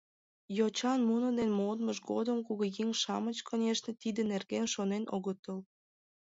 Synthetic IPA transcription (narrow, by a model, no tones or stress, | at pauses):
jot͡ɕɑnmunəd̪enmod̪məʃɡod̪əmkuɣoɣiŋʃɑmət͡ɕkʰonʲeʃnet̪id̪enerɣenʃonenʔo̰ɣət̪əl